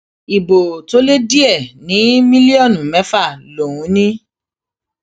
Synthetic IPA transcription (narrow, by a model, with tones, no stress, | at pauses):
i˨bo˨to˦le˦di˦ɛ˦˨nĩ˨˦mĩ˦li˦ɔ˦˨nũ˨mɛ˨˦fa˦˨lo˨wũ˨˦nĩ˦